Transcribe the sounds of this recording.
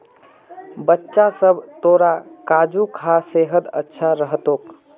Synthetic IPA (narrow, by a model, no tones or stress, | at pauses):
bətːʃasəbʱt̪oːɾakaːd͡ʒukʰaseːɦəd̪ətːʃʰaɾəɦət̪oːk